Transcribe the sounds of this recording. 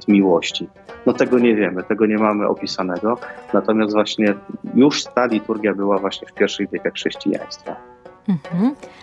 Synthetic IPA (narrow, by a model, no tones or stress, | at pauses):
t̪mʲiwɔɕt͡ɕi | nɔt̪ɛɡɔɲɛvʲjɛmɘt̪ɛɡɔɲɛmamɘʔɔ̰pʲisanɛɡɔnat̪ɔmʲjast̪vwaɕɲɛjuʂt̪alʲit̪uɾɡʲjabɘwavwaɕɲɛfpʲjɛɾfʂɛvʲjɛkaxʂɛɕt͡ɕḭja̰j̃st̪fa | m̩h̩